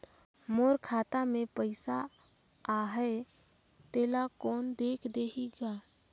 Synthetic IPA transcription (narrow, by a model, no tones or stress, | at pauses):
moːɾkʰaːt̪amẽpəɪsa | aɦɛe | t̪eːlakɔːnd̪eːkʰd̪eːɦiɡaː